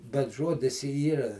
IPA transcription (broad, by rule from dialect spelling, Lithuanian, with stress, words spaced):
bʲɛt ˈʒuɔdʲɪs ɪ ˈiːrɐ